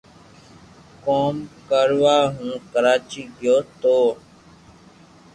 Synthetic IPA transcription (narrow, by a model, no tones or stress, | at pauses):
koːmkəɾʋaːɦũːkəɾaːt͡ʃiːɡɪjoːt̪oː